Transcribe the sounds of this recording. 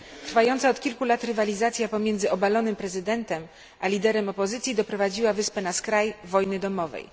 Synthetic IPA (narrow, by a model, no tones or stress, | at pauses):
t̪ɾfajɔnt̪saɔt̪kʲilkulat̪ɾɘvalʲizat̪sʲjapɔmʲjɛnd̪zɘɔbalɔnɘmpɾɛzɘd̪ɛnt̪ɛm | ʔalʲid̪ɛɾɛmɔpɔzɘt̪sʲjid̪ɔpɾɔvad͡ʑiwavɘspɛnaskɾajvɔjnɘd̪ɔmɔvɛ̰j